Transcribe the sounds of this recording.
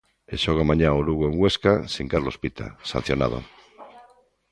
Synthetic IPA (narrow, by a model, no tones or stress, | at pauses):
eʃoɣ̞amaɲaoluɣoeŋɡweskasiŋkaɾlospit̪ʰa̰sa̰n̟θjona̰ð̞o̰